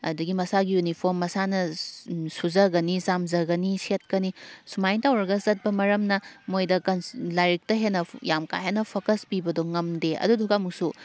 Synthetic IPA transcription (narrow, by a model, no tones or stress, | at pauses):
ɐ̰duɡimɐsaɡijunipʰoɾmːɐsanɐ | suzɐɡɐnisamzɐɡɐniset̚kɐnisumajntʰawɾɐɡɐzɐt̚bɐmɐɾɐmnɐmojdɐkɐnlajɾik̚tɐɦenːɐjamka̰ɦenːɐpʰokɐspibɐdoŋɐmdeɐ̰duduɡɐɐmuk̚su